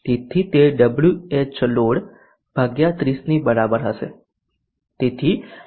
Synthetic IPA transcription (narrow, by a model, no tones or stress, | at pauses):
t̪et̪ʰit̪eɖəbljuet͡ʃloɽ | b̥ʱaɡjat̪ɾisnibəɾabəɾɦəʃḛ | t̪et̪ʰi